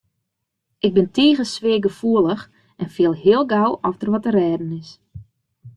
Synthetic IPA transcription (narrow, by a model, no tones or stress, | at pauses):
ʔɪɡ̚bɪntʰeːɣəsʋeːɡəfuələx | ɛnfɪəlˠɦɪəlˠɡawʔɔftərʋɔtərɛːdən̩ɪs